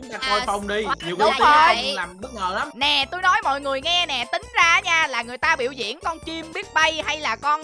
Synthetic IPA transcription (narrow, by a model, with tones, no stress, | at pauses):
ŋ͡mt̪aː˧˩kʰo˧jfa˧wŋ͡mɗi˧ɲ˨˩əwk̪ːo˧˨˩laː˨˩mɓɨ˦˥t̚ŋəː˨˩la˨˦mnɛ˨˩t̪o˧jnɔ˨˦jmɔ̰˧˨jŋɨ˨˩əjŋɛ˧nɛ˨˩t̪ï˨˦ŋ̟zaː˧˦ɲaː˧laː˨˩ŋɨ˨˩əjt̪aː˧ɓḭ˧˨wzḭ˧˨ənkɔ˧nt͡ɕi˧mɓi˦˥ət̚ɓə˧jha˧jlaː˨˩kɔ˧n